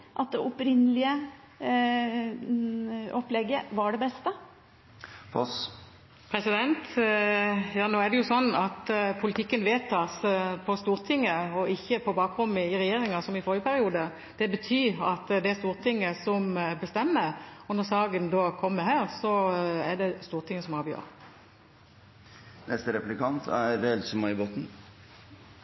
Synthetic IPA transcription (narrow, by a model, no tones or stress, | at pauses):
ʔɑt̪̚d̪ɛʔʊpɾɪnːəlɪə | ɔplɛɡəʋɑɖɛbɛst̪ə | fɔ̰s | pʰɾɛsɪd̪ɛnt̪ | jɑːnoːæɖ̪ɛjʊsɔnːɑt̪pʰʊlɪt̪ɪkːənʋeːt̪ʰɑsəpʰɔst̪uːʁt̪ʰɪŋːəɔɪçːəpʰɔbɑːk̚ʁʊmːəɪɾɛjeːɾɪŋɑsɔmɪfɔːɾjəpʰæɾɪuːd̪ə | d̪̥ɛbət̪ʰyːɑt̪d̪ɛæɾst̪uːɾt̪ʰɪŋːəsɔmbəst̪ɛmːəɔnɔɾsɑːɡənd̪oːkʰɔmːəɾhæːʁsɔɛɖɛst̪uːʁt̪ʰɪŋːəsɔmɑːbjø̰ːʁ | nɛst̪əɾɛplɪkɑnt̪ʰæɾɾɛlsɔmɑɪbot̪n̩